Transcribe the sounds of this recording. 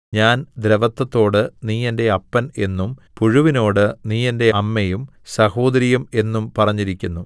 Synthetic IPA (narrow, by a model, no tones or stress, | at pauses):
ɲaːnd̪ɾeʋɐt̪ːɐt̪ːo̞ːɽɨniːjɐnde̞ɐpːɐne̞nːumpuɻuʋino̞ːɽɨniːjɐnde̞ɐmːejum | sɐho̞ːd̪ɐɾijɐme̞nːumpɐrɐɲːiɾikʲːunːu